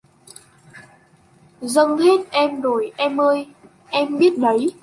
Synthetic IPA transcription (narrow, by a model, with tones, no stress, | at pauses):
zə˧ŋhe˦˥t̚ʔɛ˧mɗo˧˩jʔɛ˧mʔəː˧j | ʔɛ˧mɓi˦˥ət̚ɗə˨˦j